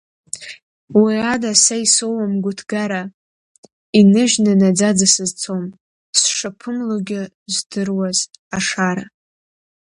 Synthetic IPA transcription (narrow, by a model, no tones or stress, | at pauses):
wiadasajsowamɡʷʊtʰɡaɾa | inɨʒnɨnad͡zad͡zasɨzt͡sʰom | sʂapʰɨmloɡʲɪ | zdɨrwazaʂaɾa